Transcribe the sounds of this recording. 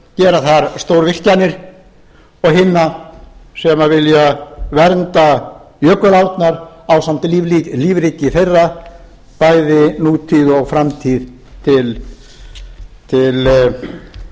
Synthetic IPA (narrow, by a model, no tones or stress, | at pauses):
cɛːɾaθaɾ̥st̪owɾvɪl̥c̪canɪɾ̥ | ɔɣɦɪnːa | sɛmavɪljavɛɾnt̪ajœːkʏlawt̪naɾawsam̥t̪ɪliːvliliːvɾɪc̪ːɪfejrːa | paːjðɪnuːt̪ʰiːðɔɣfɾamt̪ʰið | t̪ʰɪl | t̪ʰɪl